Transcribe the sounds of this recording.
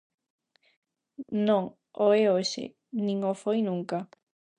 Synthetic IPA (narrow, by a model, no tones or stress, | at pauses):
nõŋ | ʔoeoʃḛ | nĩŋofojnũŋka